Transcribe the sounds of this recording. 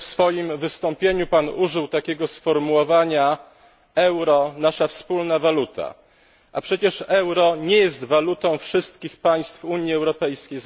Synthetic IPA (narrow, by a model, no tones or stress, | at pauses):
fsfɔjimvɘst̪ɔmpʲjeɲupanuʐɘwt̪akʲɛɡɔsfɔɾmuwɔvaɲa | ɛwɾɔnaʂafspulnavalut̪a̰ | ʔa̰pʂɛt͡ɕɛʂɛwɾɔɲɛjɛst̪valut̪ɔ̃w̃fʂɘst̪̚kʲixpaj̃st̪fuɲjiɛwɾɔpɛjskʲejz